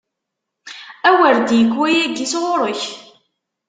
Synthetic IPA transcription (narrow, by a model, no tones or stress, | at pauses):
æwəɾd̪jəkːwæjæɡisʁʊɾˤəç